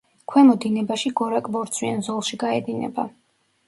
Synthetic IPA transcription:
kʰwɛmɔd̪inɛbaʃiɡɔɾakʼbɔɾt̪sʰwianzɔlˠʃiɡaɛd̪inɛ̰ba̰

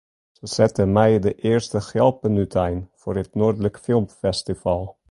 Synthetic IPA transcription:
səz̥ɛtəmɛjdəʔɪːrstəxɛlˠpənytʰɛjnfʊːrətnoːrdələkfɪlˠmfɛstifɑlˠ

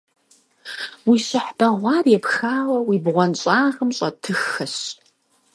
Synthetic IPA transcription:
wiɕɨħb̥ɐʁʷɑːrjɛpxaːwɐwibʁʷɔnɕʼaːʁəmɕʼɐtʰɨxɐɕ

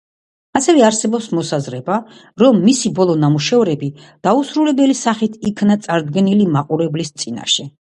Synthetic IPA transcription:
asɛvɛaɾsɛbɔpsmɔsazɾɛba | ɾɔmːisibɔlˠɔnamuʃɛɔɾɛbi | d̪̥ausɾulɛbɛlisaχit̪ʰikʰnat̪sʼaɾd̪ɡɛnilimaqʼuɾɛblist̪sʼina̰ʃɛ

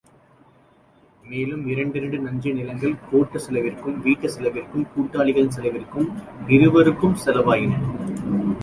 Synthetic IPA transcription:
meːlɯmɪɾɐɳɖɪɾɐɳɖɯnɐɲd͡ʒɯnɪlɐŋɡɐɭkoːʈːɐsɛlɐʋɪrkɯmʋiːʈːɐsɛlɐʋɪrkɯmkuːʈːaːɭɪɣɐɭɪnsɛlɐʋɪrkːɯm | ʋɪɾɯʋɐɾɯkːɯmsɛlɐʋaːjɪnɐ

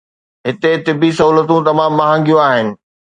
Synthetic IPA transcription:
ɦɪt̪et̪ɪbisɐɦuːlət̪ũt̪ɐmãːmːɐɦə̃ŋɡijũaːɦɪnɪ̆

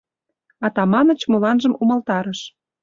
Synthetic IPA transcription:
ɑt̪ɑmɑnə̆t͡ɕmolɑnʒəmuməlt̪ɑɾəʃ

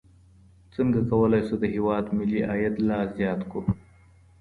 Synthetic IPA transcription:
t͡səŋɡakawəlɑjsod̪əɦɪwɑːd̪mɪliʔɑjat̪lɑːszjɑːt̪ko

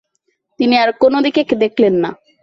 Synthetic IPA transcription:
t̪iniaɾkonod̪ikeked̪ekʰlenːa̰

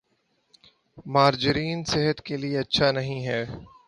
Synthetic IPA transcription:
maːɾd͡ʒɪɾiːnsɪɦət̪kelieɐtːʃʰanɐɦĩɦɛː

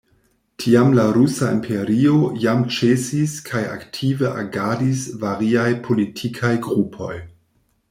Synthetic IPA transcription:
tʰiamlaɾusaḭmpʰeɾiojamt͡ʃesiskʰaja̰ktʰiveʔa̰ɡadisvaɾiajpʰo̞litʰikʰajɡɾupʰo̞j

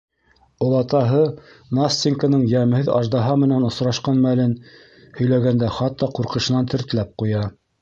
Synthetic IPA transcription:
ŏlˠɑt̪ɑɦɤ | nast̪ʲiŋkənɤɴjæmɘ̆hɘðɑʒd̪ɑɦɑmɘ̆nænŏsɾɑʃqɑnmælɘn | hɵ̆jlæɡænd̪æχɑt̪ːɑquɾqɤ̆ʃɤ̆nɑnt̪ʰɘ̆ɾt̪ɘ̆læp̚qujɑ

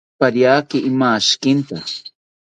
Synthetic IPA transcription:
paɾjaːkɪʔɪmaʃkɪnt̪a̰

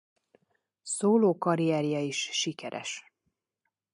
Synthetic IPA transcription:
soːloːkɒɾijɛːɾjɒiʃːikɛɾɛ̰ʃ

